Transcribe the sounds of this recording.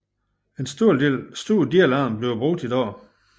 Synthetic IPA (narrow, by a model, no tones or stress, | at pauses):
e̝nsd̥o̝ɐ̰de̝̰lsd̥o̝ɐ̰d̥iælɑ̈ːmb̥le̝ʊb̥ʁɔɡ̥̚d̥id̥ɒ̰ː